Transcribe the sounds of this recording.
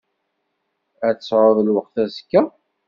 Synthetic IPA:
æt͡sːsːʕoðˤəlwəqθæskːæ

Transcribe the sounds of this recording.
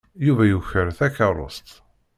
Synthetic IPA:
juvæjuçəɾθækːɑɾˤo̰st̪

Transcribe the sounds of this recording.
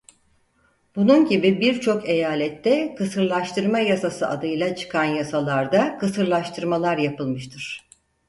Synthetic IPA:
b̥ununɟibibiɾt͡ʃʰo̞ke̞jaːlʲɛt̪ːɛkʰɯsɯɾlˠaʃt̪ʰɯɾmajasasɯad̪ɯjlˠat͡ʃʰɯ̥kʰanjasalˠaɾd̪akʰɯsɯɾlˠaʃt̪ʰɯɾmalˠaɾjapɯlˠmɯʃt̪ʰɯɾ̥

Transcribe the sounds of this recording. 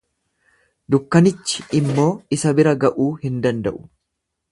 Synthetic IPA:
d̪ʊkːɐnɪt͡ʃːɪ̥ɪmːo̞ːɪsɐbɪɾɐɡɐʔuːhɪnd̪ɐnd̪ɐ̰ʔʊ̥

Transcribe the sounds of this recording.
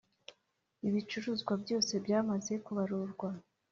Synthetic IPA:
iβit͡ʃuɾuːzɡwabjo̞ːse̞bjaːmaze̞kuβaɾuɾɡwa

